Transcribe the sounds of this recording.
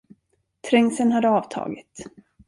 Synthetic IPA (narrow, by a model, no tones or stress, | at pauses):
t̪ʰɾɛŋsənhad̪ːəɑːvt̪ʰɑ̰ːɡɪ̰t̪